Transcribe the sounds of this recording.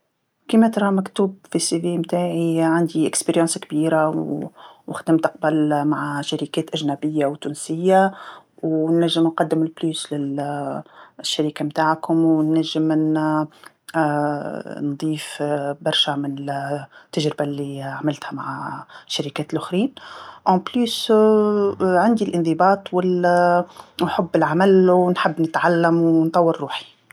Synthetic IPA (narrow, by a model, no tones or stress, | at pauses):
kimæt̪ɾˤɑːmækt̪uːbfisivimt̪aːʕiʕand̪iʔɪkspeɾjɑ̃nskbiːɾa | wɪxd̪ɪmt̪ɑq̚bælmaʕaʃaɾikɛːt̪ʔæʒnæbɪjːawt̪uːnsɪjːa | wnːæʒːɪmnqɑd̪ːɪmlbluːslɪl | ʃːaɾiːkamt̪aːʕkʊmwnːæʒːɪmn | nd̪ˤiːfbɑɾˤʃamɪnɪt̪ːaʒɾɪbalːiʕamɪlt̪hæma̰ʕaʃːaɾikæːt̪lʔʊxɾiːnʔɑ̃blus | ʕand̪ilʔɪnd̪ˤɨbɑːt̪ˤwɪl | nħʊbːɪlʕamælwnħəbːnət̪ʕalːæmwnt̪ˤɑwːəɾːuːħi̥